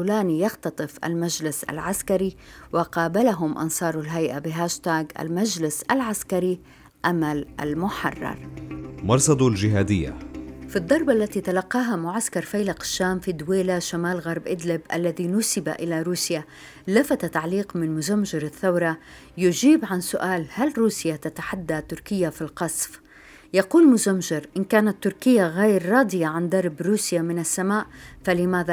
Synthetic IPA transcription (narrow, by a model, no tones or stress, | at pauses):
laːnijɑxt̪ɑt̪ˤɨfʔa̰lmaʒlɪsa̰lʕaskaɾiwɪqɑːbalaɦʊmʔɑ̰nsˤɑːɾˤalɦajʔabɪɦaːʃt̪aːɡa̰lmad͡ʒlɪsʔalʕaskaɾi | ʔamalʔa̰lmʊħɑ̰rˤːɑ̰ɾˤmɑɾˤsˤɑd̪ˤld͡ʒɪɦaːd̪ɪjːa̰fid̪ˤːɑɾˤbʔalːat̪it̪alaqːɑːɦamʊʕaskɑɾˤfajlaqḁʃːaːmfiːd̪weːlaʃamaːlɣɑɾˤbʔɪd̪lɪbʔalːaðinʊsɪbaʔɪlaɾuːsja | lafat̪at̪aʕliːqmɪnmʊzamʒɪɾaθːawɾˤɑ | jʊd͡ʒiːbʕansʊʔaːlhalɾuːsjat̪at̪aħad̪ːat̪ʊɾkɪjːafilqɑsˤf | jɑquːlmʊzamʒɪɾʔɪnkaːnat̪ːʊɾkɪjːaɣeːɾːˤɑːd̪ˤɪjaʕand̪ˤɑɾˤbɾuːsjamɪnasːamaːʔfalɪmaːða